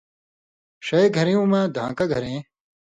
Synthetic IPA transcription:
ɕɐjɡʱɐɾijũːmãd̪ʱã̰ːkɐɡʱɐɾẽː

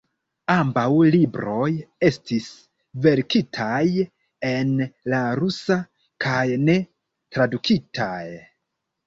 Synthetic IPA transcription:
ambawlibɾo̞je̞stis | ve̞ɾkitʰaj | e̞nlaɾusa | kʰajne̞ | tɾadukʰitʰaj

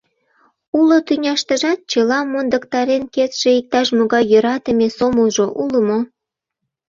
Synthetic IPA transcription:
ulot̪ynʲɑʃt̪ə̆ʒɑt̪̚t͡ɕəlɑmond̪əkt̪ɑɾenket̪ʃeik̚t̪ɑʃmoɣɑjːøɾɑt̪əmesoməlˠʒoʔuləmo

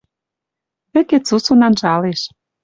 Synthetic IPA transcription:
βɘ̆ket͡susonɑnʒɑleʃ

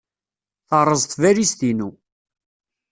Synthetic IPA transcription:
θəɾˤːəzˤt̪væɾist̪inu

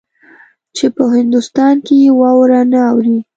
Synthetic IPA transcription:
t͡ʃepəɦɪnd̪ʊst̪ɑnkejewɑwɾanaawɾi

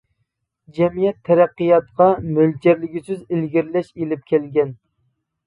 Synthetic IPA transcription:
d͡ʒɛmijɛt̪ʰːɛɾæqːɨjɑt̪qʰɑmyld͡ʒɛɾlɪɡʲisyzɪlɡʲiɾlɛʃelɪp̚kʲʰɛlɡʲɛn

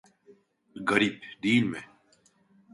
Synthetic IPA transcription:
ɡɐɾiːbd̪iːnmẽ

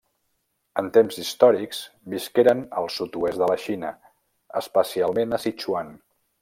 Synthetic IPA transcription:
ənt̪emzist̪ɔɾiksbiskeɾənə̰lˠsut̪uezðələʃinə | ə̰spəsialˠmenəsit͡ʃuan

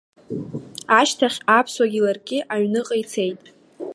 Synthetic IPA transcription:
aʃtʰaχʲapʰswaɡʲɪlarɡʲʼɪʔaɥnɨqʼəjt͡sʰe̞jtʼ

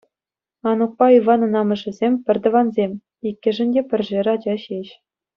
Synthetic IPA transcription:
ɑnuk̚pɑiʋɑnɤ̆nɑmɤ̆ʐɘ̆zʲemʲpʲɘ̆rʲd̪ɤ̆ʋɑnzʲemʲ | ikʲːɘ̆ʐɘ̆nʲdʲepʲɘ̆rʲʐerʲɑd͡ʑɑɕeɕ

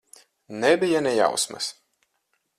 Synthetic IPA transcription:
nɛbijanɛja̰wsmɐ̰s

